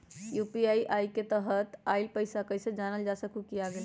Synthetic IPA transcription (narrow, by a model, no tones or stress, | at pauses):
jupiajʔajket̪əɦət̪ajlpəjsakəjsə̃d͡ʒanəld͡ʒasəkukijaɡel